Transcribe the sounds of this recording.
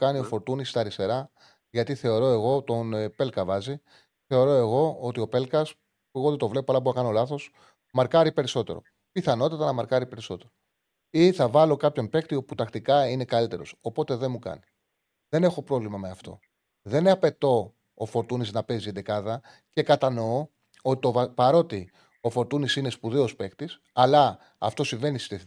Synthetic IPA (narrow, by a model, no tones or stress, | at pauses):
kɐnio̞fo̞ɾt̪unist̪ɐɾist̪e̞ɾɐ | ʝɐt̪iθe̞o̞ɾo̞e̞ɣo̞t̪o̞npe̞lkɐvɐzi | θe̞o̞ɾo̞e̞ɣo̞ot̪io̞pe̞lkɐs | pueɣo̞ðet̪o̞vle̞poɐlɐboɐkɐno̞lɐθo̞s | mɐɾkɐɾipe̞ɾiso̞t̪e̞ɾo̞̰ | piθɐno̞t̪it̪ɐnɐmɐɾkɐɾipe̞ɾiso̞t̪e̞ɾo | iθɐvɐlo̞kɐpço̞npe̞kt̪io̞put̪ɐkt̪ikɐine̞kɐlit̪e̞ɾo̞̰so̞po̞t̪e̞ðe̞nmukɐ̰ni | ðe̞ne̞xo̞pɾo̞vlimɐme̞ɐft̪o̞̰ | ðe̞nɐpe̞t̪o̞ː | fo̞ɾt̪uniznɐpe̞zind̪ekɐðɐ | ce̞kɐt̪ɐno̞o | o̞t̪iovɐpɐɾo̞t̪i | o̞fo̞ɾt̪unisine̞spuðeo̞spe̞kt̪is | ɐlɐ | ɐ̰ft̪o̞siɱve̞nisi̥st̪ieθ